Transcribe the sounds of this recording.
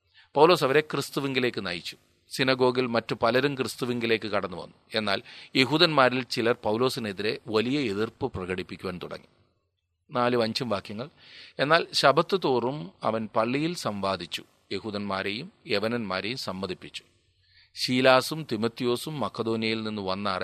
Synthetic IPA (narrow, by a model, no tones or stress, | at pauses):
pɐwloːs̬ɐʋɐɾe̞krɨst̪uʋiŋɡile̞ːkːɨnɐ̰jit͡ɕːu̥ | sinɐɡo̞ːɡilmɐtːupɐlɐɾumkrɨst̪uʋiŋɡile̞ːkːɨkɐɽɐnːɨʋɐ̰nːue̞nːa̰ːlje̞ɦuːðɐnmaːɾilt͡ɕilɐrpɐwlo̞ːsine̞ðiɾe̞ʋɐlijɐeðirpɨprɐɣɐɽipːikʲːuʋaːnt̪uɽɐ̰ŋːi | naːluɐɲd͡ʑumʋaːkjɐŋːɐɭe̞nːaːlɕɐbʱɐt̪ːɨt̪oːrumɐ̰ʋɐnpɐɭːijilsɐmʋaːd̪ʱit͡ɕːu̥ | je̞ɦuːðɐnmaːɾejume̞ʋɐnɐnmaːɾejumsɐmːɐd̪ʱipːit͡ɕːu̥ | ɕiːlaːsumt̪imɐt̪ːijo̞ːsumːɐkːɐd̪o̞ːnijɐjilninːuʋɐnːaːre